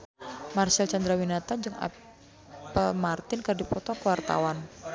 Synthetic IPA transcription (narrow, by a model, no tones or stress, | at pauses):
marsɛlt͡ʃand̪ɾawinat̪ad͡ʒɨŋa̰ | pəlmart̪ɪnkərdipɔt̪ɔkəwart̪a̰wan